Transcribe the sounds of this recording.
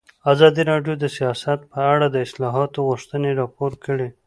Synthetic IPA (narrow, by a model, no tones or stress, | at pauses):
azɑd̪iɾɑɖjod̪əsijɑsat̪̚pəaɽad̪əɪslɑɦɑt̪oɣʊʂt̪əneɾɑpoɾkəɽe